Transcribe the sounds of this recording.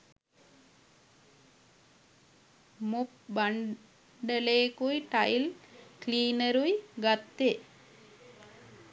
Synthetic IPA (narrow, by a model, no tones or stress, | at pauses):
mup̚baɳ | ɖəleːkujʈajlkliːnəɾujɡat̪ːe